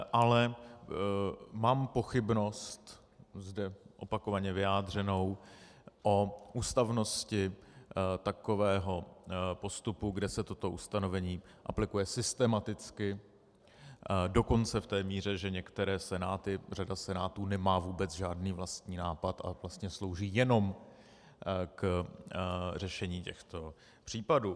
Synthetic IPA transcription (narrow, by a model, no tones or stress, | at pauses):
ʔalɛ | maːmpo̞xɪbno̞st̪ | zdɛʔo̞pako̞vaɲɛvɪjaːd̪r̝ɛno̞w | ʔo̞ʔuːst̪avno̞scɪ | t̪ako̞vɛːɦo̞po̞st̪upuɡdɛsɛt̪ot̪o̞ʔust̪ano̞vɛɲiː | ʔa̰plɪkujɛsɪst̪ɛmat̪ɪt͡skɪ | do̞ko̞nt͡sɛft̪ɛːmiːr̝ɛʒɛɲɛkt̪ɛɾɛːsɛnaːt̪ɪr̝adasɛnaːt̪uːnɛmaːvuːbɛt͡sʒaːdniːvlast̪ɲiːnaːpat̪ʔa̰vlast̪ɲɛslo̞wʒiːjɛno̞m | k | rɛʃɛɲiːcɛxt̪o̞ | pr̝̥iːpaduː